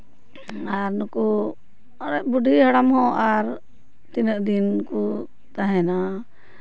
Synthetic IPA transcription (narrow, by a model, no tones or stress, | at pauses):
aɾnɔku | ɾɛʔbuɖʱiɦaɽamhɔ̃ʔaɾ | t̪inəʔd̪inku | t̪aɦɛ̃na